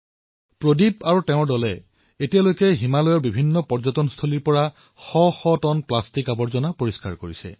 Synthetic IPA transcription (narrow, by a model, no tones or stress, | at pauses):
pɹodibaɹutɛʊ̃ɹdɔlɛ | etijalojkɛɦimalɔjɔɹbibʱinːɔpɔɹzɔtɔnst̪ʰoliɹpɔɹa | xɔxɔtɔnplastikabɔɹzɔnapoɹiska̰ɹkoɹisɛ̰